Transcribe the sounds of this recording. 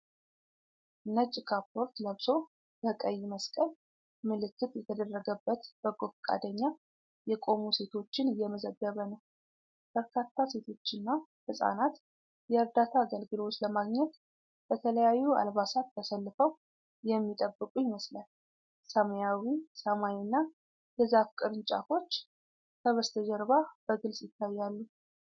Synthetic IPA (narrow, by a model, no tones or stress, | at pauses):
nət͡ʃʼːɪkʰapʰːo̞ɾt̪ləβso̞ | b̥əkʼəjːɪməskʼəl | mɨlɨkːɨt̪ʼjɛt̪ʰəd̪ərːəɡəbːət̪b̥əɡofkʼa̰d̪əɲːa | jɛkʼo̞muse̞t̪ʰo̞t͡ʃːɪnjɛməzəɡːəβənəw | b̥əɾkʰat̪ʰːase̞t̪ʰo̞t͡ʃːɪnːahɨsʼa̰nat̪ | jɛəɾd̪at̪ʰaːɡəlɡɨlot͡ʃːləmaɡɲɛt̪ | b̥ət̪ʰələjajːua̰lβasat̪ːʰəsəlːɨfəw | jɛmːit̪ʼəbːɨkʼujɪməslal | səmjawisəmajnːa | ɡəzafkʼɨɾɨnt͡ʃʼa̰fo̞t͡ʃː | kʰəβəst̪ʰəd͡ʒɛɾβab̥əɡɨlsjɪt̪ʰːajːalːu